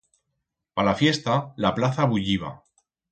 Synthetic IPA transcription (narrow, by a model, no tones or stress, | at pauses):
palafje̞st̪alaplaθaβuʎiβ̞a̰